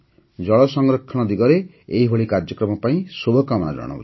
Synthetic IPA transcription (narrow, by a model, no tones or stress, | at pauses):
d͡ʒɔɭɔsɔŋɾɔkʰːɔɽ̃ɔd̪iɡɔɾe | eiɦoɭikaɾd͡ʒɔkɾɔmɔpaĩsobʱɔkamɔna̰d͡ʒɔ̰ɽ̃ɔ̰ṵt͡ʃʰi̥